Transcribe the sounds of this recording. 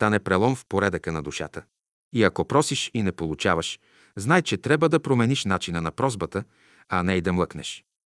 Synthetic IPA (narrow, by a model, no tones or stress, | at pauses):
t̪anɛpɾɛlˠɔnfpoɾɛd̪əkənɐd̪uʃa̰t̪ə | iɐkɔpɾɔsiʃinɛpolˠut͡ʃavəʃ | znajt͡ʃɛt̪ɾabvəd̪ɐpɾomɛniʃnat͡ʃinənɐpɾɔzbət̪ə | ɐnɛid̪ɐmlˠɤknɛ̰ʃ